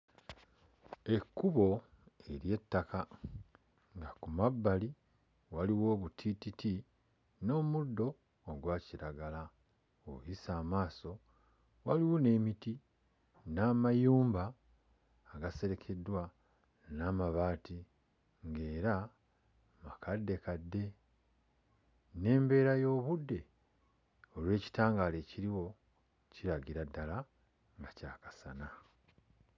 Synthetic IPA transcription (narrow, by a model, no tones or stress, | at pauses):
e̞kːuβo̞ | e̞ɾje̞tːaka | ŋɡakumabːali | waliwo̞ːβutʰititi | no̞ːmudːo̞ː | ɡwaːciɾaɡala | oujisaːmaːso̞ | waliwone̞miti | naːmajuːmbaː | ɡase̞ɾe̞kʰe̞dwa | naːmaβaːti | ŋɡe̞ːɾa | makʰadːe̞kadːe̞ | ne̞ːmbe̞ːɾajo̞ːβudːe̞ | olwe̞ːci̥taːŋɡale̞ciɾiwo̞ | ciɾaɡiɾadːala | ŋɡacaːkḁsana